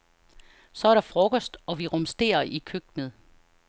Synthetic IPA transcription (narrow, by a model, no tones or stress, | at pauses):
sɒ̽æɐɾɑ̈fʁɔkɒsd̥ɒ̽ʋiʁɔmsd̥e̝̰ːɐʔikʰøɡ̥̚nəð̩ˠ